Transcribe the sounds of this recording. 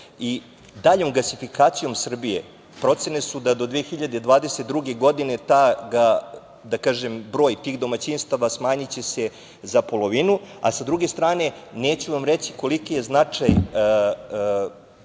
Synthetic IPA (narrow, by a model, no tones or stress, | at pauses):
i | d̪aʎo̞mɡasifikaːt̪sijo̞msr̩bijḛ | pɾo̞t̪se̞ne̞sud̪ad̪o̞d̪ʋiexiʎad̪e̞d̪ʋaːd̪eset̪̚d̪ɾuɡe̞ɡo̞d̪ine̞t̪aɡa | d̪akaːʒembɾo̞ːjt̪iːɣd̪o̞mat͡ɕinst̪aʋasmaːɲit͡ɕese̞ | zapo̞lˠo̞ʋinua̰sad̪ɾuɡe̞st̪ɾaːne̞neːt͡ɕuʋamɾet͡ɕi̥ko̞likije̞znat͡ʂaj